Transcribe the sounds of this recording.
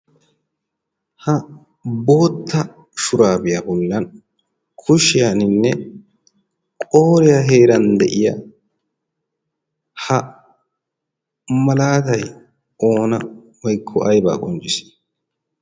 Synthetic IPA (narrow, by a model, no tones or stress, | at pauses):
hɐ | bo̞ːt̪ːɐ | ʃʊɾaːbɪjɐbɔlːɐn | kʰʊʃɪjanɪnːɛ | kʼoːɾɪjɐɦe̞ːɾɐnd̪ɛʔɪjɐ | hɐ | mɐlaːt̪ɐj | o̞ːnɐ | wɐjkʰːɔʔɐjba̰ːkʼɔnd͡ʒɪsɪ̥